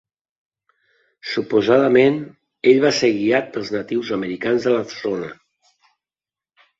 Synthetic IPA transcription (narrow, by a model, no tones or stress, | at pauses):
supuzaðəmen | eʎβaseɾɣiat̪̚pəlˠznət̪iwzəməɾikanzðələfzonə